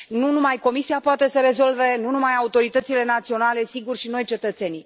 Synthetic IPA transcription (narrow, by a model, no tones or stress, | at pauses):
nunumajko̞misiapoat̪e̞səɾe̞zo̞lve̞nunumajaut̪o̞ɾit̪ət̪sile̞nat̪sio̞nale̞siɡurʃino̞jt͡ʃe̞t̪ət̪se̞ni